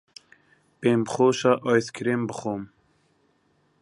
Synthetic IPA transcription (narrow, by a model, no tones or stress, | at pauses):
peːmbxoːʃaʔɑːjskʰɾeːmbɨxoːm